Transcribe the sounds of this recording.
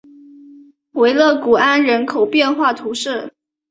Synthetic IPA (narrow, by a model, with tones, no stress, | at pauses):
xwe˧˥ɪlɤ˥˩ku˨˩a˥nɻə˧˥nkʰo˨˩ʊpjɛ˥˧nxwa˥˩t̪ʰu˧˥ʂɻ̩˥˩